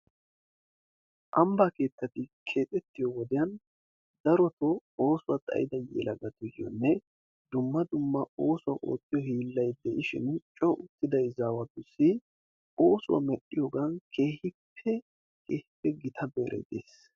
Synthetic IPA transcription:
ʔɐmbake̞ːt̪ːɐt̪ɪkʰe̞ːtʼɛt̪ːɪjɔwɔd̪ɪjɐn | d̪ɐɾɔt̪ɔo̞ːsʊwɐt̪ʼɐ̰jɪd̪ɐjḛːlɐɡɐt̪ʊjɔ̰nːɛ | d̪ʊmːɐd̪ʊmːɐo̞ːsʊwɐʔo̰ːt̪ːɪjɔhiːlːɐjd̪ɛʔɪʃɪ̰nt͡ʃʼɔʔʊt̪ːɪd̪ɐjzaːwɐɡʊsːɪ | oːsʊwɐ̰mɛɗːɪjɔɡɐnkʰe̞ːhɪpʰːɛ | keːhɪpːɛɡɪt̪ʰɐbeːɾḛd̪ḛːs

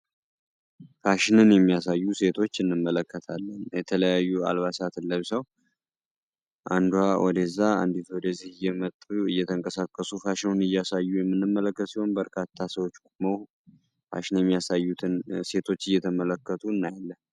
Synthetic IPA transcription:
faʃɪnɨnjɛmːijasajːuse̞t̪ʰo̞t͡ʃːɨnːɨmːələkːət̪ʰalːənjɛt̪ʰələjajːua̰lβasat̪ɨlːəβsəw | ʔa̰nd̪uhawɔd̪əzːaa̰nd̪it̪uwɔd̪əzihɨjːɛmət̪ʼːuɨjːɛt̪ʰəŋkʼəsakʼːəsufaʃɪnɨnɨjːasajːujɛmːɨnːɨmːələkːət̪siho̞nbəɾkʰat̪ʰːasəwo̞t͡ʃːkʼumo | fa̰ʃɪnjɛmːijasajːut̪ʰɨnse̞t̪ʰo̞t͡ʃːɨjːɛt̪ʰəmələkːət̪ʰuɨnːajalːən

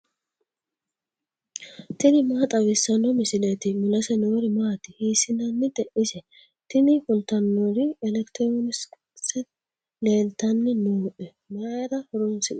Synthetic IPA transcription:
t̪ɪnɪmaːt̪ʼɐwɪsːɐnɔmɪsɪlet̪ɪmʊlɐsɛnoːɾɪmaːt̪ɪhiːsɪnɐnːɪd̪ɛʔɪsɛ | t̪ɪnɪfʊlt̪ɐnːɔɾɪɛlɛkt̪ɾonɪs | sɛ | leːlt̪ɐnːɪnuːʔɛ | maːjɾɐhɔɾʊnsɪᶑʊ

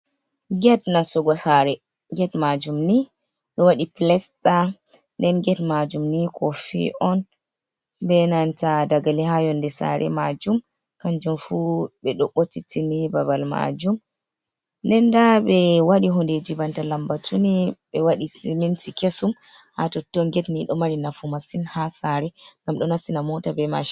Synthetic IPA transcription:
ɡɛtnasɔɡɔsaɾɛ | ɡɛtmad͡ʒumni | ɗɔwaɗiplɛsta | ndɛnɡɛtmad͡ʒumnikʰɔfḭʔɔn | bɛnantadaɡaliɦajɔndɛsa̰ɾʔɛ̰mad͡ʒum | kand͡ʒɔnfubɛɗɔɓːotitinibabalma̰d͡ʒum | ndɛndaɓɛwaɗiɦɔnded͡ʒibantalambatʰuniɓɛwaɗisimintikesum | ha̰tɔtːɔŋɡɛtniɗɔmaɾinafumasinhasaɾɛŋɡamɗɔnasinamɔtabɛma̰ʃ

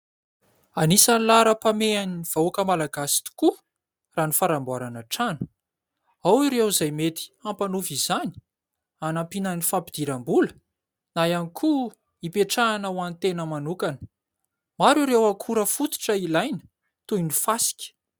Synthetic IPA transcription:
anisanilaɾəpameaniiv̥aokəmalaɡasi̥t̪u̥ku | ranifaɾambuaɾanaʈ͡ʂanu̥ | awiɾewzajmet̪i̥ampanufizani̥ | anampinənifapid̪̥iɾambulə | najanikʰu | ipeʈ͡ʂaːnawanit̪enəmanukanə̥ | maɾuɾewakʰuɾəfut̪u̥ʈ͡ʂəilajnə̥ | t̪ujnifasi̥kʲə̥

